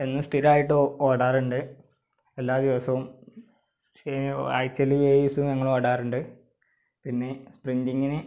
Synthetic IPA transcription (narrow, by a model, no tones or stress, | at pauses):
enːumsʈiɾaːjiʈːɨoːɽaːruɳɖɨ | elːaːd̪iʋɐsɐʋum | eɐ̰jt͡ɕːɐlːiʋeːisumɐŋːɐɭoːɽaːruɳɖɨ | pinːe̞spriɲdiŋɡinɨ